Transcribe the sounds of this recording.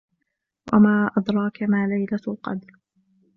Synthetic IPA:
wa̰maːʔɑd̪ɾˤɑːkamaːlajlalqɑ̰d̪ɾ

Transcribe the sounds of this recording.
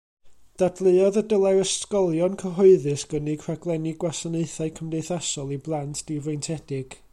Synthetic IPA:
d̥adlˠɨɔðədəlˠaɾəskɔlˠjɔnkʰəɦɔɨðɨsɡ̥ənikʰraɡlˠɛniɡwasaneɨθaɨkʰəmdejθasɔlˠiblˠantʰd̥ivejntʰɛd̥ɪɡ̥

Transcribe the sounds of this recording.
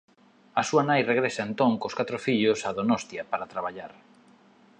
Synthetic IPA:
ɐsuɐnajreɣɾesɐent̪oŋkoskat̪ɾofiʎʊsaðonɔst̪jɐpaɾat̪ɾaβ̞aʎaɾ

